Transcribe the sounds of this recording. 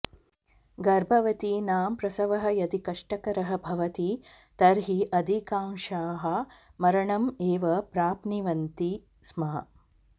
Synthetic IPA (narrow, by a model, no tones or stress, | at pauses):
ɡɐɾbʱɐʋɐt̪inaːmpɾɐsɐʋɐɦɐ̆jɐd̪ʱikɐʂʈɐkɐɾɐɦɐ̆bʱɐʋɐt̪i | t̪ɐɾɦiʔɐd̪ʱikaːŋʃaːɦɐmɐɾɐɳɐmeːʋɐpɾaːpniʋɐnt̪i | smɐɦɐ̰